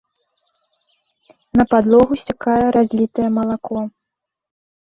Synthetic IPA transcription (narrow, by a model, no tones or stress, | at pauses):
nɐpad̪lˠɔɣusʲakajɛɾazʲlʲit̪ɐjɛmɐlˠakɔ